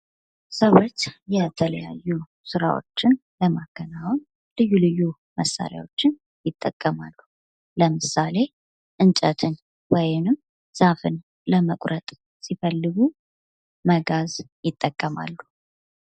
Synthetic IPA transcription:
səwo̞t͡ʃːjɛt̪ʰələja̰jːu | sɨɾa̰wo̞̰t͡ʃːɪn | ləmakʰːənawn | lɨjːulɨjːu | məsːa̰ɾja̰wo̞t͡ʃːɪn | jɪt̪ʼːəkʼːəmalːu | ləmɨsale̞ | ʔɨnt͡ʃʼət̪ʰɨn | wɔjɪnɨm | z̥afɨn | ləməkʼɾʔət̪ʼ | sifəlːɨɡu | məɡaz | jɪt̪ʼːəkʼːəma̰lːu

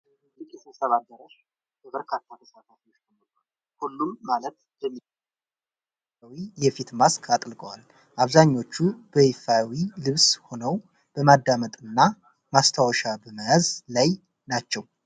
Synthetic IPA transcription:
lɨkʼjɛsʰəsəβad̪əɾəʃ | bəbəɾkʰat̪ʰːat̪ʰəsat̪ʰafiwot͡ʃːt̪ʰəməkal | hulːumːalət̪̚ | jɛmːi | awijɛfit̪maskʰat̪ʼlɡəwal | ʔaβzaɲːo̞t͡ʃːubəhifawilɨβsho̞nəw | b̥əmad̪ːamət̪ʼɨnːa | mast̪ʰawəʃabəmazlaj | nat͡ʃːɛw

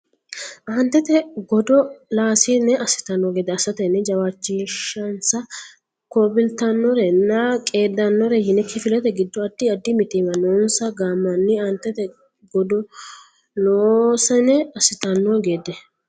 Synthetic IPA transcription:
ʔɐnt̪ːɛt̪ɛɡɔd̪ɔlaːsɪnɛʔɐsɪ̥t̪ɐnːoːɡeːd̪ːɛɐsɐt̪ɛnːɛd͡ʒɐwaːt͡ʃːiʃːɐnsɐ | koːbɪlt̪ɐnːɔɾɛnːɐkʼe̞ːd̪ːɐnːɔɾɛhɪnɛkʰːɪfɪlɛt̪ɛɡɪd̪ːɔɐd̪ːɪɐd̪ːɪmɪt̪ɪmɐnɔnsɐɡaːmːɐnːɪaːnt̪ːɛt̪ɛ | ɡɔd̪ɔ | noːsɛnɛɐsɪt̪ɐnːoɡe̞ːd̪ɛ

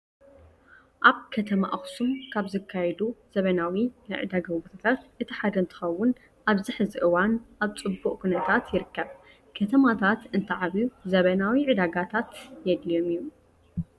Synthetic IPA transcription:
ʔaβkʰɐt̪ʰɐma̰ʔxsumkʰaβzɨkʰːajɛd̪uz̥ɐβɐnawinɨʕɨ̰d̪aɡɐwut̪ʰat̪ʰat̪ʔɨt̪ʰiħad̪ɐnt̪ʰɨ̥xɐwːʊn | ʔaβzɨħzɨʔɨwanʔaβt͡sʼɨbːuʔʼkʰunɐt̪ʰat̪jɪɾɨkːɐβ | kʰɐt̪ʰɐmat̪ʰat̪ɨnt̪ʰɐʕaβjuzɐβɐnawiʕɨd̪aɡat̪ʰat̪jɛd̪lijo̞miju

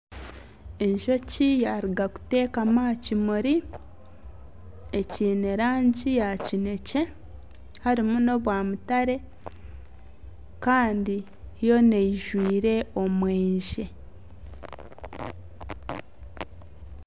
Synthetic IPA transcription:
e̞ɲʒo̞cijaɾiɡaku̥te̞ːkamaːcimuɾi | e̞ciːne̞ɾaːɲɟijacine̞ce̞ | haɾimuno̞βwaːmutaɾe̞ | kaːndi | jo̞neiʒwiːɾe̞o̞mweːɲʒe

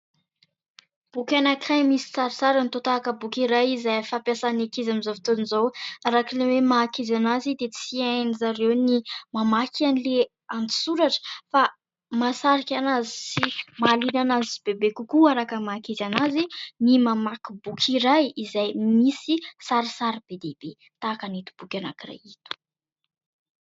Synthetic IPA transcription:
b̥ukʲanakajmisi̥t͡saɾisaɾənit̪ot̪aːkəbukiɾajizajfapjasanakizamizovit̪onizowaɾakilewemakizanazid̪et͡siajnizaɾewnimamakanile | ant̪i̥suɾaʈ͡ʂə̥fa | masaɾikʲanazisimalinanaziib̥ebekukuaɾakəmaːkizanazinimamakibukʲʰiɾajizajmisisaɾisaɾib̥ed̪eb̥e | t̪akanit̪u̥b̥ukʲana̰kira̰jit̪u̥

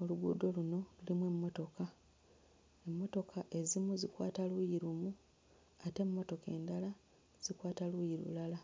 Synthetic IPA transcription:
o̞luɡṵːdo̞luno̞lulimwe̞mːo̞to̞ka | e̞mːo̞to̞kʰaʔezimuzikwa̰ːtalwujiɾumu | ate̞mːo̞to̞kḛːndala | z̥ikwaːtalujiɾṵlala

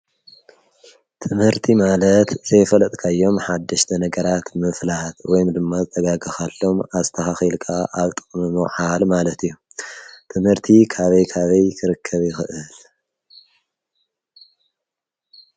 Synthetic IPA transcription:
t̪ʰɨmhɨɾt̪ʰimalɐt̪z̥ɐjfɐlɐt̪ʼkʰajːo̞mħad̪ːɐʃt̪ʰɐnɐɡɐɾat̪mɨflat̪wɔjumd̪ɨmːazɨt̪ʰʼɐɡaɡɐxalːo̞mazt̪ʰɐxaxilkʰaʔaβt̪ʼɨ̥χʼmɨmɨħalmalɐt̪ʰijːu | t̪ʰɨmhɨɾt̪ʰikʰaβɐjkʰaβɐjkʰɨɾɨkʰːɐβjɪxɨʔɨl

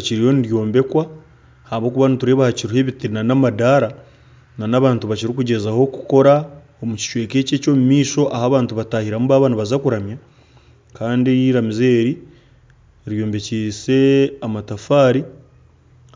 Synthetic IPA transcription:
ciɾijo̞niɾjo̞ːmbe̞kwa | haβo̞ːkuβanituɾe̞ːβahaciɾuhe̞βitiɾinanamadaːɾa | nanaβaːntuβaciɾikuɟe̞zaho̞kuko̞ɾa | omuci̥ʃwe̞ːke̞ːce̞ːco̞ːmumiːso̞ʔahaβaːntuβataːhiɾamuβaβanaβazakuɾamja | kaːndieɾjiːɾamize̞ːɾi | ɾjo̞ːmbe̞ciːse̞amatafaːɾi

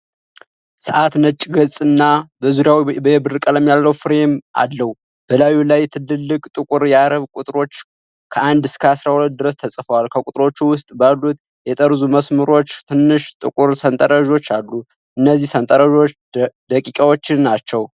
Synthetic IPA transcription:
sɨʔat̪nət͡ʃʼːɡət͡sʼɨnːabəzuɾjawibəjɛbɨɾɨkʼələmjalːəwfɨɾe̞ma̰lːəhu | b̥əlajulajɛt̪ʰɨlːɨlːɨkʼt̪ʼɨkʼʊɾjaɾəβkʷʼut̪ʼɾo̞t͡ʃː | kʰəand̪ɨskʰəasɾahulət̪̚d̪ɨɾəst̪ʰəsʼfəwalkʰəkʼut̪ʼɾo̞t͡ʃːuwʊst̪ʼbalːut̪ | jɛt̪ʼəɾzuməsmɨɾo̞t͡ʃːt̪ʰɨnːɨʃt̪ʼɨkʼʊɾsənt̪ʼəɾəʒo̞t͡ʃːalːu | ʔɨnːəzːihsənt̪ʼəɾəʒo̞t͡ʃ | d̪əkʼikʼawo̞t͡ʃːɪnːat͡ʃːɛw

